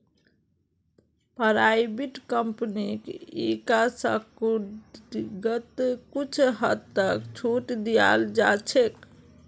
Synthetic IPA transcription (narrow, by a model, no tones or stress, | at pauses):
pəɾajbiʈkəmpnikikasəku | ɡət̪kut͡ʃʰɦətt̪ːəkt͡ʃʰuʈd̪ija̰ld͡ʒat͡ʃʰek